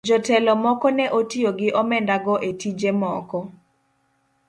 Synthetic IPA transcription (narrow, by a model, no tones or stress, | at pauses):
d͡ʒɔtɛlɔmɔkɔnɛʔotioɡɪʔɔmɛndaɡɔʔetid͡ʒemɔkɔ